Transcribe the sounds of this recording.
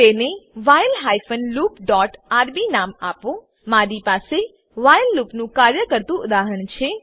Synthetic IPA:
t̪eneʋajlɦajfənlupɖɔʈaɾbinama̰pʋõ | maɾipase | ʋajlːupnũkaɾjəkəɾt̪ũʊd̪aɦəɳt͡ʃʰe

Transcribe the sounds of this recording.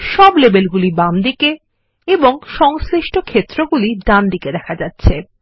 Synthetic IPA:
ʃɔblebelɡulibamd̪ike | eboŋʃɔŋsɾiʃʈokʰet̪ːɾoɡuliɖand̪iked̪ɛkʰad͡ʑatːɕʰe

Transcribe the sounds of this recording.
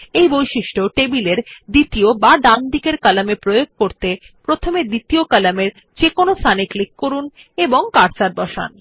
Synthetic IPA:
ejbojʃiʃʈoʈebileɾd̪it̪iobaɖ̪and̪ikeɾkalamepɾojoɡ̚koɾt̪e | pɾot̪ʰomed̪it̪iokalameɾ | t͡ɕekonosʰaniklikːoɾun | eboŋkaɾsaɾbɔʃa̰n

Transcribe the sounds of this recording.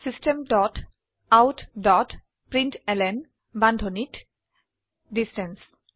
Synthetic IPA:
sisʈemdɔt | awtdɔt | pɾĩnʈɛlɛn | bãnd̪ʱonit | ɖisʈɛns

